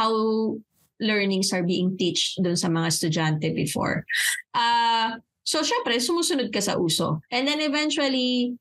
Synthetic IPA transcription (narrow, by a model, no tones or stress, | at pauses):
haw | lɛɹnɪŋsɐɹbiːʔɪŋt̪it͡ʃt̪d̪ʊnsɐmɐŋast̪ʊd͡ʒant̪ɛbɪfo̰ɹʔa | soʃɛmpɾɛsʊmuːsʊnʊd̪̚kɐsɐ̰ʔuːso̰ʔɛnd̪ɛnɛvɛnt͡ʃʊɐli